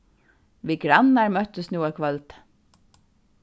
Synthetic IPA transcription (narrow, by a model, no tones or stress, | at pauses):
ʋiɡɾanːaɹmœht̪ʏst̪nuːakʰʋœlt̪